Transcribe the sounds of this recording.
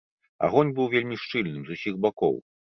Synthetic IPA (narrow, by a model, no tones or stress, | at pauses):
a̰ɣɔnʲbɨwvʲelʲmʲiʂt͡ʂɨlʲnɨmzusʲiɣbakɔ̰w